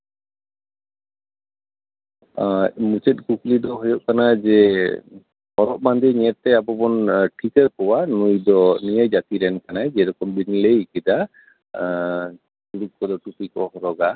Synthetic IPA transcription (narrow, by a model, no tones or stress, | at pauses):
mut͡ʃɛt̪̚ˀkuklid̪ɔɦɔjɔʔkanad͡ʒɛ | hɔɾɔʔ̚mand̪iɲɛɾt̪ɛabɔbɔnʈʰikəɾkɔwanujd̪ɔnijajd͡ʒat̪iɾɛnkanad͡ʒɛɾɔkɔmbinlejkid̪a | tuɽuk̚kɔd̪ɔʈupikɔhɾɔɡa